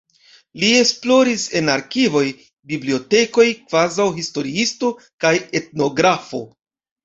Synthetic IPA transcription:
lie̞splo̞ɾise̞naɾkivo̞j | biblio̞te̞ko̞jkv̥azawɦisto̞ɾiisto̞ | kajet̚no̞ɡɾafo̞̰

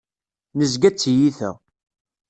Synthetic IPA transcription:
nəzɡæt͡sːjiθə̰ʁ

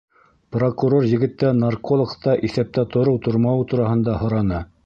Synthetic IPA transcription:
prokuɾorjɘ̆ɡɘ̆t̪ːænarkolˠŏkt̪ɑʔiθæp̚t̪æt̪ŏɾɤwt̪ŏɾmɑwt̪uɾɑɦɤ̆nd̪ɑhŏɾɑnɤ

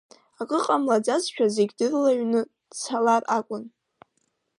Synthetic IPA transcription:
akʼɨqʼamlad͡zazʃᶣazeɡʲdɨrlaɥnɨ | t͡sʰalarʔakʷʼʊn

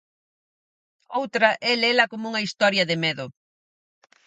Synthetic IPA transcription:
owt̪ɾɐʔɛlɛlɐkomuŋɐist̪ɔɾjɐðɪmeðʊ

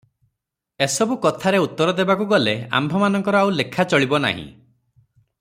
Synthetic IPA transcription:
esɔbukɔt̪ʰaɾeut̪ːɔɾɔd̪ebakuɡɔlea̰mbʱɔmanɔŋkɔɾɔawlekʰat͡ʃɔɭibɔna̰ɦḭ̃

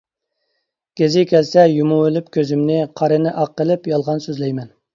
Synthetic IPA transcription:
ɡ̥ʲezɪkʲʰɛlsɛjumuelɪpkʲøzymnɪqʰɑɾɨnɪʔɑqːəlˠɪpjɑlˠʁɑnsøzlɛjmɛn

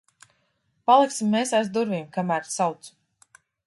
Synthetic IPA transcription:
palˠiksimːeːsajzd̪uɾviːmkamæːɾsawt̪s

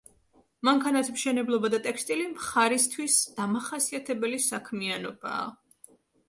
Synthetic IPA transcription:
maŋkʰanat̪ʰmʃɛnɛblˠɔbad̪at̪ʼɛkst̪ʼilimχaɾist̪ʰwisd̪̥amaχasiat̪ʰɛbɛlisakʰmianɔb̥a̰ː

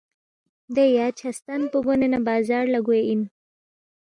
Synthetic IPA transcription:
d̪ejat͡ʃʰast̪anpəɡonenabɑzɑɾlaɡuein

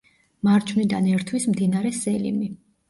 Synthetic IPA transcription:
maɾt͡ʃʰnid̪anɛɾt̪ʰwismd̪inaɾɛsɛlḭmi

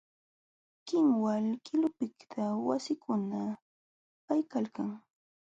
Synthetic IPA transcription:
kɪŋwalkɪlʊpɪkt̪ʰawasɪkʊna | pajkalkaŋ

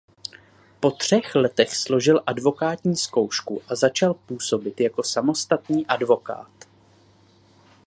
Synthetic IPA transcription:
po̞t̪r̝̥ɛxlɛt̪ɛxslo̞ʒɪlʔadvo̞kaːt̪ɲiːsko̞wʃkuʔazat͡ʃalpuːso̞bɪt̪jako̞samo̞st̪at̪niːʔadvo̞ka̰ːt̪

